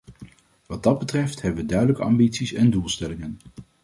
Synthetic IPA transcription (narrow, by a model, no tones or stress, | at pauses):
ʋɑd̚dɑd̚bətrɛftɦɛbəʋədœɥdələkəɑmbitsisɛndulˠstɛlɪŋən